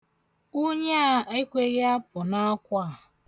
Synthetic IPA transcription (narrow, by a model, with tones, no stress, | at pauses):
u˦ɲa˦a˦e˦kʷe˦ɣɪ˦a˦pʊ˨na˦kʷa˦˨